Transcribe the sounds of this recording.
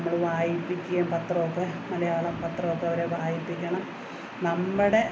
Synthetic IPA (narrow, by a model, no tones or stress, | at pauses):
mːɐɭʋaːjipːikʲːuɣɐmpɐt̪ːroːpːɐmɐlɐjaːɭɐmpɐt̪ːroːpːɐɐʋɐɾeʋaːjipːikʲːɐɳɐm | nɐmːɨɽe̞